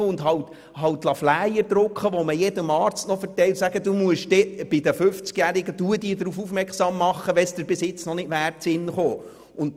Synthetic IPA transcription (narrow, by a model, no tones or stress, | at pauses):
ʊndɦɑwt | ɦɑwtːlɑflæɪəɾd̪̥ɾʊkχəʋɔməjɛdəmɑːɾt͡stnɔfɛɾtɛɪltsæɡəd̪umuəʃd̥eːb̥ɪd̥̪əføft͡skjæɾɪɡəduədiːdɾuːfufmɛksɑːmːɑχːəʋɛsd̥̪əɾbɪsɪt͡snɔnɪtʋæːrtsɪnχoː | ʊnt